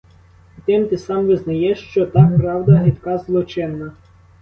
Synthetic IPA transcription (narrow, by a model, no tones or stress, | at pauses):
t̪ɪmt̪ɪsɑmʋɪznɐjɛʃt͡ʃɔt̪ɑkpɾɑwd̪ɐɦɪt̪kɑzlˠɔt͡ʃɪnːɐ